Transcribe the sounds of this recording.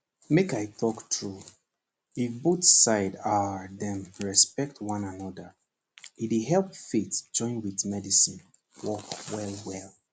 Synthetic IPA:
mekaɪθɔktʰɹu | ifbotsaɪdaðɛ̃mɹɛspɛk̚twãnanɔdə | itiɦɛlˠpfetd͡ʒɔ̃ɪ̃nwiðmɛdisĩn | wɔkwɛlˠwɛlˠ

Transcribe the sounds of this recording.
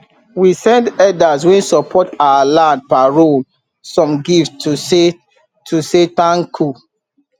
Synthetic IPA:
wisɛ̃ndɛdaswɛ̃nsɔpʰɔtawalãnd̚paɹol | sɔ̃mɡifttuse | tʰusetãnkʰu

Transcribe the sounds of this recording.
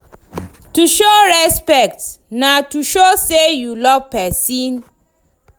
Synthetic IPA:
tuʃoɹɛspɛk̚tnatuʃosejulɔvpɛsĩn

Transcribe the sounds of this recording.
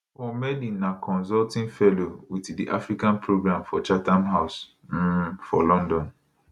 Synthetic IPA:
fɔmɛdĩnakʰɔ̃nzɔltĩnfɛlowitdiʔafɾikãnpʰɾoɡɾãmfɔt͡ʃatãmɦaʊs̩ | fɔlɔ̃ndɔ̃n

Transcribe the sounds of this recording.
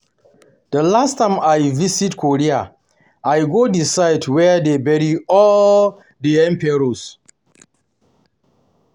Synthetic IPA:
d̥əlastːãmajvisitkʰoɾia | ʔajɡodisajdwɛdebɛɾiɔl | diɛ̃mpɛɾos

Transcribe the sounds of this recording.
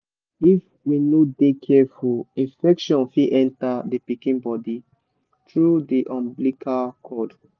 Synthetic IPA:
if | winodekʰɛfulĩfɛkʃɔ̃nfiʔɛ̃ntadepikĩnbɔdi | tɹudiʔɔ̃mblikʰakʰɔd

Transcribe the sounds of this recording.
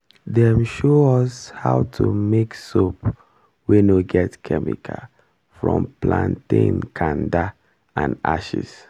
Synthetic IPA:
dɛmʃoɔshaʊtʰumeksop | wenoɡɛtkʰɛmḭkʰa | fɹɔ̃mplãntĩnkʰãnda | ãna̰ʃḭs

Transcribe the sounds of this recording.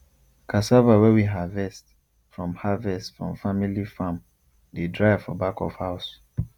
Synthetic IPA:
kʰasavawɛwiɦavɛst | fɹɔ̃mhavɛstfɹɔ̰̃ɱfamilifãm | dedɹaɪv̥fɔbakɔ̰v̥haʊs

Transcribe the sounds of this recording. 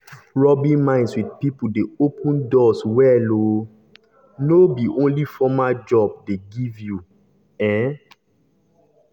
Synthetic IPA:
ɹɔbĩmãɪ̃ndswid̚pipudeopʰũndɔswɛlo | nobiʔõnlifɔmad͡ʒɔb̚deɡivju | ɛ̃

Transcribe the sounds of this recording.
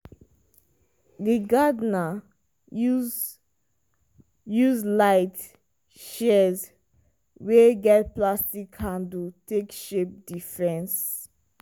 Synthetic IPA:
dəɡadna | juzlaɪt | ʃɛz | weɡɛt̚plastikʰãndutʰekʃep̚difɹɛ̃ns

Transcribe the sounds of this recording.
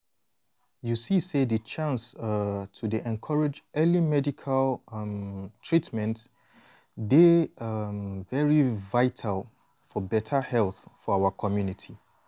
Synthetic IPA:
jusisedət͡ʃʰãnsatʰudiʔɛ̃nkʰɔɹed͡ʒɛlimɛdikʰalmtʰɹitmɛ̃nt | de | vɛɹivaɪtʰalˠ | fɔbɛtʰahɛlˠθfɔawakʰɔmjunitʰi

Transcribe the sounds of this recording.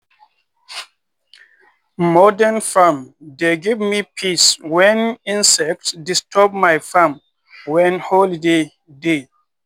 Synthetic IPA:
mɔdãnfamdeɡivmipʰiswɛ̃nĩnsɛk̚tsdistʰɔb̚majfãm | wɛ̃nholide | de

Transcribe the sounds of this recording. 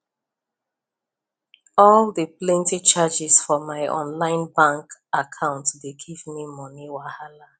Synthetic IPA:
ɔldəplɛ̃ntit͡ʃad͡ʒɪsfɔmaɪʔɔ̰̃nlãɪ̃nbãŋkakʰãʊ̃ntdeɡivmimɔniwahala

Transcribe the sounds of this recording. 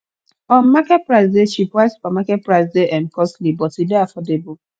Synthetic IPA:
ɔ̃nmakɛt̚pɹaɪsdeʃipwaɪsu̥pamakɛt̚pɹaɪsdeʔɛ̃nkʰɔstlibɔtideafɔdebʊ

